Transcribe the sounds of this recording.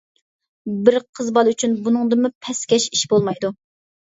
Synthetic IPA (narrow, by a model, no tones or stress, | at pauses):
bɪɾqʰəzbɑlˠyt͡ʃʰynbunɨŋd̪ɨmupʰɛskʲɛʃiʃbolˠmɑjd̪u